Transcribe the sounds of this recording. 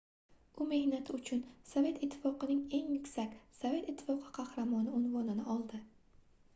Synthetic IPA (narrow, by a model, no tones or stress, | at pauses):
ʊme̞hnat̪ʰɪʊt͡ʃʰʊnsɒve̞t̪ɪt̪ʰːɪ̥fɒqɨnɪŋe̞ŋmʊkʲsakʲsɒve̞t̪ɪt̪ʰːɪ̥fɒqʰɨ̥qʰɑhɾamɒnɪʊnvɒnɪnaʔɒlˠd̪ɪ